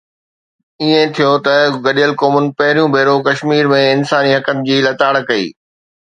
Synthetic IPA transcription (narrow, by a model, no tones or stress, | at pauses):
iẽt̪ʰijot̪ɐɡɐɗijəlkoːmʊnɪ̆pɐɦɪɾijũbʱeːɾokɐʃmiːɾmẽɪnsaːniɦɐkənɪ̆d͡ʑiːlɐt̪aːɽkɐḭː